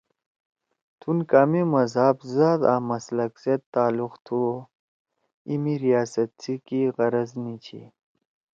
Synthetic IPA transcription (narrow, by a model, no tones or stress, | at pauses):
t̪ʰunkaːmimɐzaːbzaːd̪aːmɐslɐkset̪ːaːluqt̪ʰu | imiɾijaːsɐt̪̚t͡sʰikiɣɐɾɐznit͡ɕʰḭ